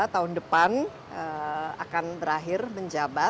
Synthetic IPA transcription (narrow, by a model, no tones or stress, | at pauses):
t̪aɦʊndəpan | əa̰kanbəɾaɦɪrməɲd͡ʒaba